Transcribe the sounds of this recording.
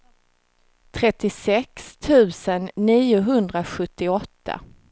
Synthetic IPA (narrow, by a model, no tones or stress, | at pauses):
t̪ʰɾɛt̪ːɪsɛkst̪ʰʉ̟ːsənːiːʊɦɵnd̪ɾaɧɵt̪ːɪɔt̪ʰːa̰